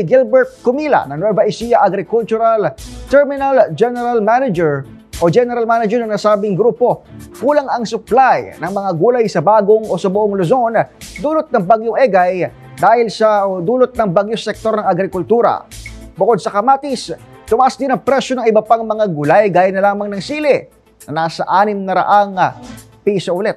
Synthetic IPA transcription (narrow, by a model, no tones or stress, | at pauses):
ɪɡɪlbɛɹt̪̚kʊmiːlɐ̰nɐnwɛvɐʔɪsijɐʔɐɡɾɪkʊlt͡ʃʊɾalt̪ɛɹmɪnɐld͡ʒɛnɛɾalmanɐd͡ʒɛɹ | ʔod͡ʒɛnɛɾɐlmaːnɐd͡ʒɛɹnɐŋnɐsaːbɪŋɡɾuːpo̞kuːlɐŋɐŋsʊplajnɐŋmɐŋaɡuːlajsɐbaːɡoŋʔo̞sɐbʊʔoŋlʊzo̞nd̪uːlʊt̪̚nɐŋbaɡjoŋʔɛɡaj | d̪aːhɪlsɐd̪uːlot̪̚nɐŋbaɡjosɛk̚t̪o̞ɾnɐŋɐɡɾɪkʊlt̪uːɾɐ̰bʊkod̪̚sɐkɐmaːt̪ɪst̪ʊmɐʔasd̪ɪnɐŋpɾɛʃonɐŋʔɪbɐpaŋmɐŋaɡʊlajɡaːjɐnɐlaːmɐŋnɐŋsiːlɪ | nɐnaːsɐʔaːnɪmnɐɾɐ̰ʔaŋ | pisɐʔʊlɛt̪̚